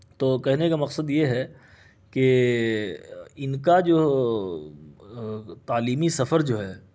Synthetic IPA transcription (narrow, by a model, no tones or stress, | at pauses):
t̪oːkɛɦnekamɐqsəd̪jeɦɛ | ke | ɪnkad͡ʒoː | t̪aːliːmisɐfəɾd͡ʒoːɦɛː